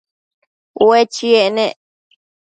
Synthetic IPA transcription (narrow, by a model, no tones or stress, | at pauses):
wet͡ʃienẽʔ